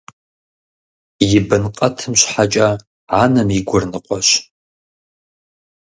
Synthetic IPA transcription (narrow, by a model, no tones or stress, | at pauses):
jɪbɨnqʼɐtʰɨmɕʷħat͡ʃʼɐ | ʕanɐmiɡʷʊrnɨqʷʼɔʃ